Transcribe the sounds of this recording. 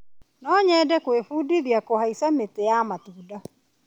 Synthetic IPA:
nɔɲɛdɛkwefudiðjakohaisametejamatuːda

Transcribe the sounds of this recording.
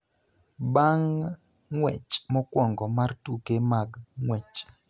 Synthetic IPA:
baŋː | wɛt͡ʃmɔkwɔŋɡɔmartukemaɡŋwɛt͡ʃ

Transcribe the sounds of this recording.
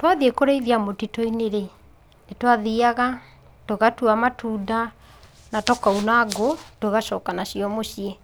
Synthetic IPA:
twaðiekoɾeiðiamotitɔineɾe | netwaðiaɣa | toɣatuamatʰuːda | natɔkaunaɡotoɣaʃɔːkanaɕiɔmoɕie

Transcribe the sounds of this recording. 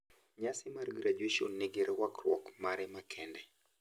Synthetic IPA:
ɲasimaɾɡɾad͡ʒiʃɔnːiɡiɾɛwakɾwɔkmaɾɛmakʰɛndɛ

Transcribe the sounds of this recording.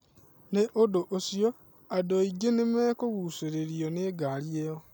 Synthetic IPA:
neʔodoʔosio | adoiɡenemɛkoɣuseɾeɾioneːɡaɾjeo

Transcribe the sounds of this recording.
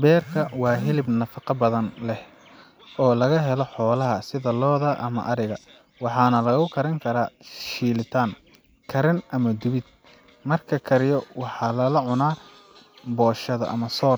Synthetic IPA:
bɛːrkʰɐwɑːɦɪlɪbnɐfɑqɑbɐðɐnlɛh | ɔːlɐɣɐɦɛlɔħɔːlɐɦɐsɪðɐlɔːðɐʔɐmɐ̰ʔɐɾɪɣɐ | wɑħɑːnɐlɐɣɐɣʊkʰɐɾɐŋkʰɐɾaːʃiːlɪt̪ʰaːŋ | kʰɐɾɪnʔɐmɐd̪ʊβɪd̪̚ | mɐrkʰɐkʰɐɾɪjɔwɑħɑːlɐlɐʕʊnaː | bɔːʃɐðɐ̰ʔɐ̰mɐsɔːr

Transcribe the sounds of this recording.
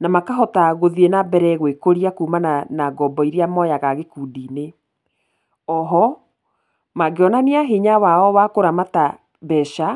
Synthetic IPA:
namakaɦɔtaɣoðienabɛɾɛɣwekoɾiakuːmananaɡɔbɔiɾiamɔjaɣaɣekuːdiːne | ɔɦɔ | maɡeɔnaniaɦiɲawaɔwakoɾamata | bɛʃa

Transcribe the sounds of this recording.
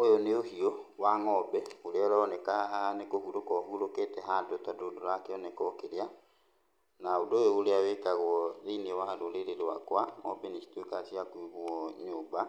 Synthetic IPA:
ojoneohiɔwaŋɔbɛoɾeɔɾɛɔnɛkanekohuɾokɔɦuɾoketɛɦadotadodoɾakeɔnɛkɔkeɾea | naodojooɾeawekaɣwɔðinewadoɾeɾeɾwakwaŋɔbɛnisi̥twekasiakiɣwɔɲoːmba

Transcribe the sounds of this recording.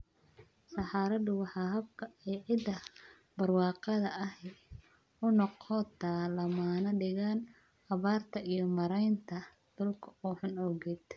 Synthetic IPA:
sɑħɑːɾɐd̪ʊwɑħɑːɦɐb̚kʰɐɛjʕɪd̪ɐ | b̥ɐrwɑːqɑðɐʔɐhɛ | ʊnɔqʰɔt̪ʰalɐmaːnɐɖɪɣaːn | ɐβaːrt̪ʰɐijɞmɐɾɛjnt̪ʰɐ | d̪̥ʊlkʰɐɔːħʊnɔwɣɪd̪

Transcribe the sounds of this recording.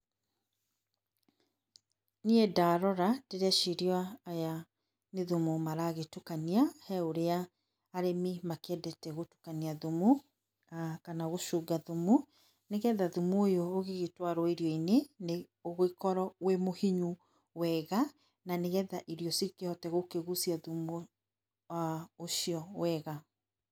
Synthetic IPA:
niedaːɾɔɾateɾɛʃiɾiwaːja | neðumumaɾaɣetukaniahɛoɾeaː | ɾemimakɛdɛtɛɣotu̥kaniaðumu | akanaɣoʃuːɡaðumu | neɣɛðaðumuojoːɣeɣetwaɾɔiɾjɔinene | oɣoikɔɾɔwemohiɲu | wɛɣa | naneɣɛðaʔiɾjɔsikehɔtɛɣokeɣusiaðumo | aoʃiɔwɛɣa

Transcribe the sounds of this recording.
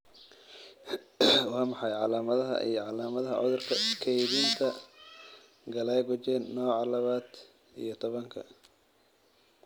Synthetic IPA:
wɑːmɑħɑjʕɑlaːmɐðɐɦɐ̰ʔḭjɞʕɑlaːmɐðɐɦɐʕɔ̰ðʊrkʰɐkʰɛjðiːnt̪ʰɐ | ɡɐlɛjɡʊt͡ʃɛːnːɔːʕɑlɐβaːd̪ | ḭjɞt̪ʰɔβɐŋkʰɐ

